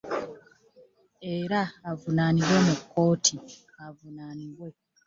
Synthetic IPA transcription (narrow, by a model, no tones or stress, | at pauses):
e̞ɾaːvunaːniβwe̞mukːo̞ːtʰi | avunaːniβwe̞